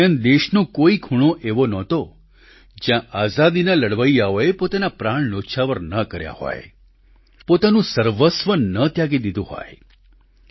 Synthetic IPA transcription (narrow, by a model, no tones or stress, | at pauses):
ãnd̪eʃnõkoikʰuɽ̃õʔeʋonɔt̪o | d͡ʒjãʔazad̪inaləɽʋəjjaoepot̪anapɾaɳ̃noʃʰaʋəɾnəkəɾja̰hɔ̰j | pot̪anũsəɾʋəsʋənət̪jaɡid̪id̪ũɦɔ̰j